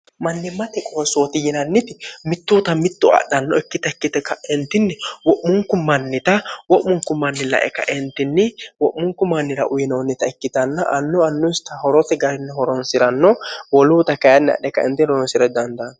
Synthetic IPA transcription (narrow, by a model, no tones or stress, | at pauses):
mɐnːɪmɐt̪ɛkʼɔɾsoːt̪ɪjɪnɐnːɪt̪ɪmɪt̪ːuːt̪ɐmɪt̪ːʊɐ̰ɗɐnːɔɛkːɪt̪ɐɛkːɪt̪ɛkːɐɛnt̪ːɪnːɛwɔʔmːʊŋkʊmɐnːɪt̪ɐwɔʔmːʊŋkʊmːɐnːɪlɐ̰ʔɛ̰kɐ̰ʔɛnt̪ɪnːɪwɔʔːʊŋkʊmːɐnːɪɾɐ̰ʔʊjɪnoːnːɪt̪ɐɛkːɪt̪ɐnːɐʔɐnːʊɐnːʊɪst̪ɐhɔɾɔt̪ɛɡɐɾɪnːɛhɔɾɔnsɪɾɐnːɔwɔluːt̪ɐkɐjɐnːɛɐ̰ɗɛkːɐɛnt̪ːɪnɔɾɔnsɪɾɛd̪ɐnd̪ɐn